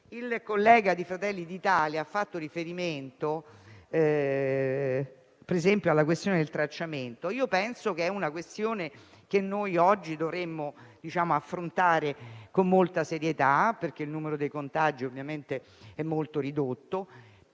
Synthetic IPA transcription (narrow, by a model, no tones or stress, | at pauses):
ilkolːɛːɡad̪ifɾat̪ɛlːid̪it̪aːljaafːat̪ːoɾifeɾiment̪oɛ | peɾezɛmpjoalːak̬west̪joːned̪elt̪ɾat͡ʃːament̪oiːopɛnsok̟eɛunakwest̪joːne | k̟enːojɔd͡ʒːid̪ovɾemːod̪̥it͡ʃaːmoafːɾont̪aːɾekomːolt̪aseɾjet̪aperk̟eilnuːmeɾod̪ejkont̪ad͡ʒiovːjament̪e | ɛmːolt̪oɾid̪ot̪ːo